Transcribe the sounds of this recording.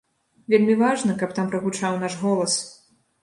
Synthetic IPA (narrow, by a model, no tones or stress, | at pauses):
vʲelʲmʲivaʐnɐkɐp̚t̪ampɾɐɣut͡ʂawnaʂɣɔlˠɐs